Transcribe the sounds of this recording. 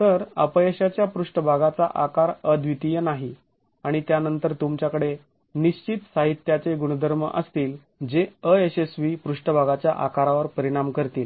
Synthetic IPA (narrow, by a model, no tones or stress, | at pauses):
t̪əɾəpəeɕat͡ɕjapɾuʂʈəbʱaɡat͡sa̰ʔakaɾəd̪ʋit̪ijənaɦi | aɽ̃it̪janənt̪əɾt̪umt͡ɕjakəɽe | niɕt͡ɕit̪saɦit̪jat͡seɡuɽ̃əd̪ʱəɾməʔəst̪iːl | d͡zeəesesʋipɾuʂʈəbʱaɡat͡ɕjaʔakaɾaʋəɾpəɾiɽ̃amkəɾt̪iːl